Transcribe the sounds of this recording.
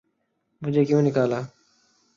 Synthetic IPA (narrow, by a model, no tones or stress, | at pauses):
mʊd͡ʒʱeːkjũːnɪkaːlaː